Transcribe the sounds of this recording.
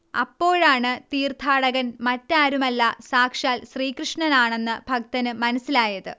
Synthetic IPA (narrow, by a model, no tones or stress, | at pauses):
ɐ̰pːo̞ːɻaːɳɨt̪iːrt̪ʰaːɽɐɣɐnmɐtːaːɾumɐlːɐsaːkʂaːlɕriːkrɨʂɳɐnaːɳe̞nːɨb̥ʱɐk̚t̪ɐnɨmɐnɐsːilaːjɐðɨ